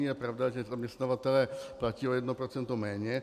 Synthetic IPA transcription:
ijɛpɾavd̪aʒɛzamɲɛst̪navat̪ɛlɛːplaciːojɛd̪nopɾot͡sɛnt̪omɛːɲɛ

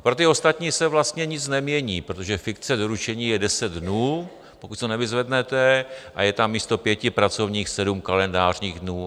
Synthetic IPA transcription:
pɾot̪ɪo̞st̪at̪ɲiːsɛvlast̪ɲɛɲɪt͡snɛmɲɛɲiːpɾot̪oʒɛfɪkt͡sɛdoɾut͡ʃɛɲiːjɛdɛsɛd̪dnuː | po̞kut̪sonɛvɪzvɛdnɛt̪ɛʔa̰jɛt̪amːiːst̪opjɛcɪpɾat͡so̞vɲiːxsɛdumkalɛndaːrɲiːɣdnuː

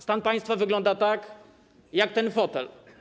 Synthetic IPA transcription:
st̪anpaj̃st̪favɘɡlɔnd̪at̪ak | jakt̪ɛnfɔt̪ɛl

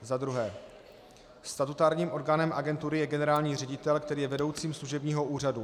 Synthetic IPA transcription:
zad̪ɾuɦɛː | st̪at̪ut̪aːɾɲiːmʔo̞ɾɡaːnɛmʔaɡɛnt̪uɾɪjɛɡɛnɛɾaːlɲiːr̝ɛɟɪt̪ɛlkt̪ɛɾiːjɛvɛdo̞wt͡siːmsluʒɛbɲiːɦo̞ʔuːradu

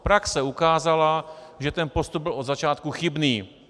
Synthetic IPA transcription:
pɾaksɛukaːzalaʒɛt̪ɛnpost̪ub̚bɪlʔo̞d̪zat͡ʃaːt̪kuxɪbniː

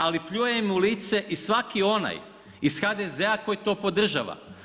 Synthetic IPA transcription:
alipʎujemuliːt̪se̞ʔisʋakio̞na̰j | isxad̪ezeako̞jt̪o̞ːpo̞d̪r̩ʒa̰ʋa̰

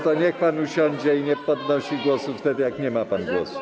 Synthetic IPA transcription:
t̪ɔnʲɛkpanuʃʲɔnʲd͡ʒʲɛinʲɛpɔd̪nɔʃʲiɡwoɔsuft̪ɛt̪jaknʲɛmapanɡlɔsu̥

